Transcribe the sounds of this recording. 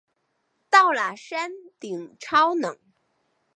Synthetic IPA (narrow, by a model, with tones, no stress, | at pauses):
t̪ɑ˥˩ʊla˨˩ʂa˥nt̪i˨˩ŋʈ͡ʂʰɑ˥ʊnɤ˨˦ŋ